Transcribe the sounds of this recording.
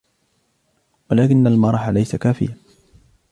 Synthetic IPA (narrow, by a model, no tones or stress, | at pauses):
walaːkɪnːalmɑɾˤɑħalajsakaːfɪ̰ja